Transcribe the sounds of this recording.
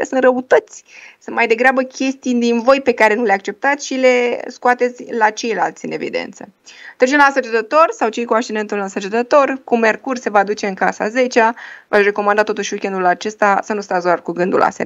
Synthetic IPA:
esɨnt̪rəut̪ət̪sʲsɨnmajd̪e̞ɡɾeabəkʲe̞st̪ijd̪invo̞jpe̞kaɾe̞nuleak̚t͡ʃe̞p̚t̪at̪sʲʃile̞skuat̪e̞t̪sʲlat͡ʃe̞jla̰lt̪sʲɨne̞vḭd̪e̞̰nt̪sət̪ɾet͡ʃemlasət͡ʃet̪ət̪o̞rsawt͡ʃe̞jkuakʃt͡ʃine̞nt̪ulansət͡ʃet̪ət̪o̞rkume̞rkurʲse̞vad̪ut͡ʃe̞ɨŋkasa̰ze̞t͡ʃavaʃre̞ko̞mand̪at̪o̞t̪uʃikʲend̪ulat͡ʃe̞st̪asənust̪azarkuɡɨnd̪ṵla̰sḛ

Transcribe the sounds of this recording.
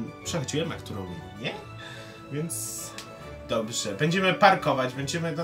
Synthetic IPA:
pʂɛxɔd͡ʑiwɛma̰kt̪uɾɔ̃w̃ɲɛ | vʲjɛnt̪s | d̪ɔbʐɛbɛɲd͡ʑɛmɘpaɾkɔvad͡ʑbɛɲd͡ʑɛmɘd̪a

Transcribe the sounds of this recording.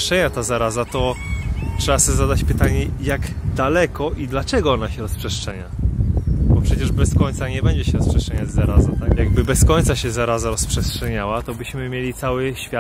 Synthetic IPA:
t͡ʂɛɲat̪azaɾazat̪ɔ | tʂɛbasɔbʲzad̪at͡ɕpɘt̪aɲɛjaɡd̪alɛkɔʔid̪lat͡ʂɛɡɔɔnaɕɛɾɔspʂɛʂtt͡ʂɛɲa̰ | bɔpʂɛt͡ɕɛʐbɛskɔɲʲt̪saɲɛbɛɲd͡ʑɛɕɛɾɔspʂɛʂt͡ʂɛɲazzːaɾazat̪akjaɡ̚bɘbɛskɔɲʲt̪saɕɛzaɾazaɾɔspʂɛstʂɛɲawat̪ɔbɘɕmɘmʲjelʲit̪sawɘɕfʲja

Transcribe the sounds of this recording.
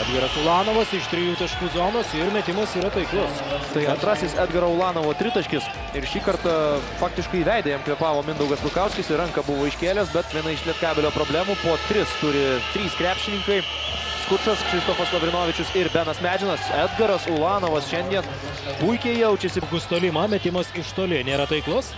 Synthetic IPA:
æːd̪ɡɐɾɐsʊlˠɑːnoːʋɐsɪʃt̪ʲɾʲɪjuːt̪ɐʃʲkuːzoːnoːsɪɾmʲɛt̪ʲɪmɐsiːɾɐt̪ɐɪklˠʊst̪ɐɪɐ̃nt̪ɾɑːsʲɪsæːd̪ɡɐɾɐoʊlˠɑːnoːʋoːt̪ʲɾʲɪt̪ɐʃʲkʲɪs | ɪɾʃʲiːkɐɾt̪ɐfɑːk̚t̪ʲɪʃkɐɪʋʲɛɪd̪ɐjɛmklʲɛpɑːʋoːmʲɪnd̪ɐʊɡɐslʲˠʊkɐʊsʲkʲɪsɪɾɐŋkɐbʊʋoːɪʃʲkʲeːlʲeːsbʲɛt̪ʲiɛnɐɪʃʲlʲiɛt̪kɑːbʲɛlʲoːpɾoːbʲlʲæːmuːpoːt̪ʲɾʲɪst̪ʊɾʲɪt̪ʲɾʲiːskɾʲæːpʲʃʲɪnʲɪŋkɐɪ | skʊʂɐsʃʲɛɪst̪oːfɐslˠoʋʲɾʲɪnoːʋʲɪt͡ʃʲʊsɪɾbʲænɐsmʲæːd͡ʒʲɪnɐsæd̪ɡɐɾɐsolˠɑːnoːʋɐsʃʲɛnʲd̪ʲiɛn | bujkʲeːjɛʊt͡ʃʲɛsʲɪɡʊst̪oːlʲɪmɐmʲɛt̪ʲɪmɐsɪʃt̪oːlʲɪnʲeːɾɐt̪ɐɪklˠʊs

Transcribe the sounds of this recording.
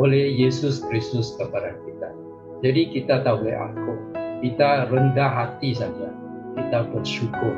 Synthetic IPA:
olejesuskɾisusk̪ɐpɐɾapit̪a | d͡ʒeɽikit̪at̪alḛʔa̰ːp̚kopit̪aɾɐnd̪aɦat̪ːis̬aɡija̰ | pit̪apɐt̪ʃuko

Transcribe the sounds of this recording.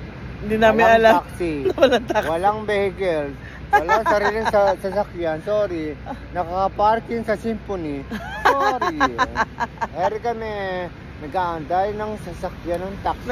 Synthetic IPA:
hɪnd̪iːnaːmɪnɐlaksiwɐlaŋt̪akwwɐlaŋbɛhɪkɛl | wɐlaŋsɐɾiːlɪŋsɐsɐsɐkjansoːɾɪnɐkɐkɐpaɾkɪŋsɐsimponisoɾi | hɛɾɪkɐmɛ | nɐɡaːʔɐnd̪ajnɐŋsɐsɐkjanɐŋt̪aks

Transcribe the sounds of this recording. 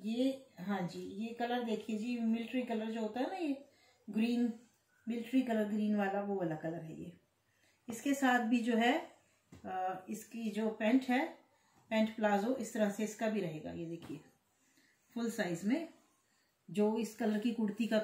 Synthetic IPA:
jeːɦãːd͡ʒiːjekɐləɾd̪eːkʰied͡ʒimɪlɪʈɾikɐləɾd͡ʒoːɦoːt̪aɦɛnaje | ɡɾiːn | mɪlʈɾikɐləɾɡɾiːnʋaːlaʋoʋəlakɐləɾɦɛ̰jḛː | ɪskesaːt̪̚ʰbʱid͡ʒoːɦɛ | ɪskid͡ʒoːpɛ̃ːɳʈɦɛ | pɛ̃ːɳʈplaːzoʔɪst̪əɾaseɪskabʱiɾɐɦeːɡa̰jed̪eːkʰieː | fʊlsaːɪzmẽ | d͡ʒoːɪskɐləɾkikʊɽt̪ika

